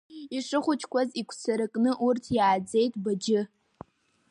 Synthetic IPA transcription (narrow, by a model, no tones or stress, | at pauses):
iʂɨχʷʊt͡ʃʰʼkʷazikʷʰt͡sʰaɾɨkʼnɨʔurtʰjaːd͡ze̞jtʼbad͡ʒɪ